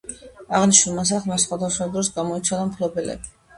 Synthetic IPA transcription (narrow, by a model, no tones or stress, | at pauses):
aʁniʃnulˠmas̬aχlˠmasχwad̪aswad̪ɾɔsɡamɔit̪sʰɛd̪amkʰlˠɔbɛlɛ̰bi